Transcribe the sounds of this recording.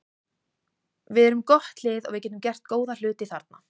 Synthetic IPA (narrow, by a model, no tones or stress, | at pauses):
vɪðɛɾʏmkɔht̪lɪːðɔ̰ɣvɪcɛːt̪ʏmcɛr̥t̪̚koːwðal̥ʏːt̪ɪθaɾt̪̚na̰